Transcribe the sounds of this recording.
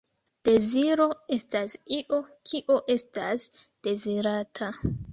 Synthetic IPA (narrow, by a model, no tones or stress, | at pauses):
d̥e̞ziɾo̞e̞stasiʔo̞kʰiʔo̞ʔe̞stasd̥e̞ziɾatʰa